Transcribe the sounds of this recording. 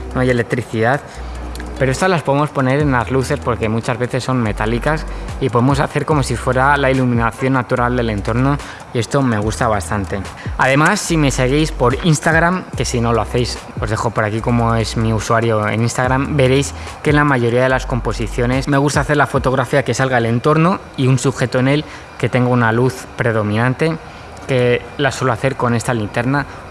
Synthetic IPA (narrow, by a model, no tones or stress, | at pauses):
no̞aje̞le̞k̚t̪ɾiθiðað | pe̞ɾoe̞st̪azlaspo̞ðemo̞spo̞ne̞ɾe̞nlazluθe̞spo̞ɾke̞mut͡ʃazβe̞θe̞sːo̞nme̞t̪alikasipo̞ðemo̞saθe̞ɾko̞mo̞sifwe̞ɾalailumĩnaθjo̞nːat̪uɾald̪e̞le̞nt̪o̞ɾno̞ | ie̞st̪o̞me̞ɣ̞ust̪aβ̞ast̪ant̪e̞aðe̞masːime̞se̞ɣ̞ejspo̞ɾinst̪aɣ̞ɾamke̞sino̞loaθe̞js | o̞zðe̞xo̞po̞ɾakiko̞mo̞e̞zmiusuaɾjo̞e̞̰ninst̪aɣ̞ɾambe̞ɾe̞jske̞nlamaʝo̞ɾiaðe̞lasko̞mpo̞siθjo̞ne̞sme̞ɣ̞ust̪aːθe̞ɾlafo̞t̪o̞ɣ̞ɾafiake̞salɣaele̞nt̪o̞ɾno̞ | iunsuxe̞t̪o̞e̞ne̞l | ke̞t̪e̞ŋɡounaluθpɾe̞ð̞o̞mĩnãnt̪e̞ | kelaswo̞lo̞aθe̞ɾko̞ne̞st̪alint̪e̞ɾna